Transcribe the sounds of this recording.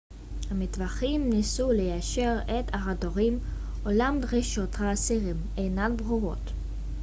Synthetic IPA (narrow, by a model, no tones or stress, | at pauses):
hamitvaχimnisulejaʃeʁetaʁadoʁim | ʔolamdʁiʃo̞thaːsiʁim | ejnat̚bʁuʁo̞̰t